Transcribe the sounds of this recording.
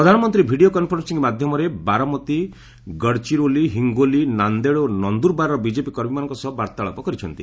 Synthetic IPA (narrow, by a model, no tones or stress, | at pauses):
pɾɔd̪ʱanɔmɔnt̪ɾibʱiɖiokɔnpʰɔɾɔnsiŋkmad̪ʱjɔmɔɾebaɾɔmɔt̪i | ɡəɽt͡ʃiɾoliɦiŋɡolinand̪eɭonɔnd̪uɾbaɾɾɔbid͡ʒepikɔɾmimanɔ̃ŋkɔsɔɔbaɾt̪ɔaɭɔ̰pɔkɔɾit͡ʃʰɔnt̪i